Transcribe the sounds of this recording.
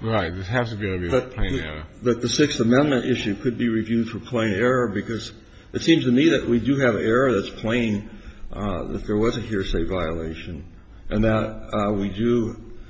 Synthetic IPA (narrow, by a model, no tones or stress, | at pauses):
ɹaɪt̚ðɪsɦæfsɨbiɾbiðɨtppʰl̥ẽɪ̃nɛ̰ɹə̰ðɨt̪̚ðɨsɪksθəmɛ̃nmɨ̃ntʔɪʃʉkʰɨd̚biɹivjʉd̥fə˞pʰl̥ẽɪ̃nɛɹəbɨkʰʌz | ʔɨtsĩmz̥tʰɨmiðɨʔ̚wʔidɨɨvɨɛɹɨðɨtspʰl̥ẽɪ̃n | ðɨ̰t̪̚ðə˞wʌzɨɦiɹseɪvaɪəleɪʃɨ̃n | ʔɨ̃nðət̚widɨ